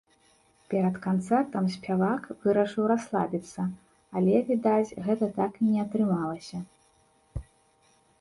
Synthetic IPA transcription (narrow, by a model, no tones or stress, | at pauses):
pʲɛɾɐt̪kant̪sɛrt̪ɐmsʲpʲavakvɨɾɐʂɨwɾaslˠa̰bʲit̪sːɐ | alʲɛvʲid̪at͡sʲɣɛt̪ɐt̪akinʲɛɐt̪ɾɨmalˠɐsʲɐ